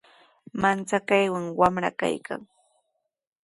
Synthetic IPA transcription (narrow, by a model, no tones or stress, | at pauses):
mant͡sakajwaŋwamɾa̰ka̰jkʰa̰ŋ